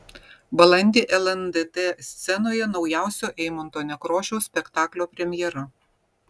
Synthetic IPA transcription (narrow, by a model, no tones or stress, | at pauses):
bɐlˠɐnʲd̪ʲeːʔɛlˠɛnd̪ed̪esʲt̪sʲɛnoːjɛnɒʊjæˑʊsʲoːʔɛɪmont̪oːnʲɛkɾoːʃʲoʊsʲpʲɛkt̪ɑːklʲoːpʲɾʲɛmʲjɛɾɐ